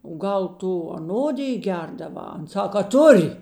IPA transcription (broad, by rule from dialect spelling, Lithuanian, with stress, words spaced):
oː ˈɡɐlˠ ˈtʊ ɐˈnoːdʲɪj ˈɡʲɛrdɐˌʋɑː ˈɐn ˈsɐk ɐ ˈtʊrʲ